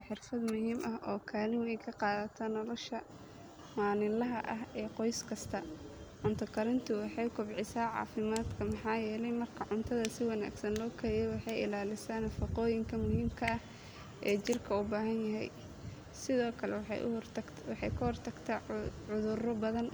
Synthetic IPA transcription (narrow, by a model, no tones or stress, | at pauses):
ħɪrfɐd̪mʊɦiːmʔɐɦʔɔːkʰaːlɪnɛjkʰɐqɑːðɐt̪ʰaːnːɔlɔʃɐ | maːnɪlɐɦɐʔɐɦɛːqɔjskʰɐst̪ʰɐʕʊnt̪ʰɐkʰɐɾɪnt̪ʰʊwɑħɑjkʰʊbʕɪsaːʕɑ̰ːfɪmaːd̪kʰɐmɑħɑːjɛːlɛjmɐrkʰɐʕʊnt̪ʰɐðɐsɪwɑna̰ːɡsɐnlɔːkʰɐɪjɛwɑħɑjɪlaːlɪsaːnɐfɑqɔːjɪŋkʰɐmʊhiːmkʰɐɐh | ʔɛːt͡ʃɪrkʰɐʊbaːɦɐnjɐɦɛj | sɪðɔːkʰɐlɛ̰wħ | wɑħɑjkʰɐhɔrt̪ʰɐɡt̪ʰɐʕʊðʊrɔbɐðɐn